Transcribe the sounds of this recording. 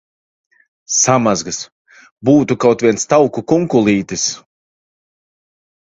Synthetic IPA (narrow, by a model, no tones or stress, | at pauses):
samazɡɨs | buːt̪ukawt̪vʲiɛnst̪awkukuŋkulˠiːt̪is